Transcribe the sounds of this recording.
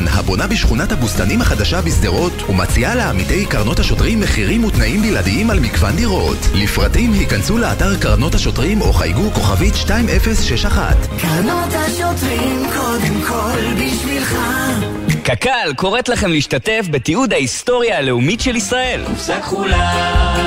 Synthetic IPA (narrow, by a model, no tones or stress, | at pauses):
nha̰bo̞nabiʃχunathabustanimhaχadaʃabisd̪eʁo̞thumat͡sialeamite̞jkaʁno̞thaʃo̞tʁimːeχiʁimutnaʔimbiladiimalmikva̰ndiʁo̞tlifʁatimhikansuleataʁkaʁno̞thaʃo̞tʁimo̞̰χa̰jɡuko̞χavitʃtaime̞fesʃeʃaχa̰tkaʁnot̪aʃot̪ʁimkʰod̪emkʰolbiʃvilχa | kakalko̞ʁe̞tlaχe̞mleiʃtate̞fbetiud̪aisto̞ʁjaːle̞umitʃelisʁae̞lkχula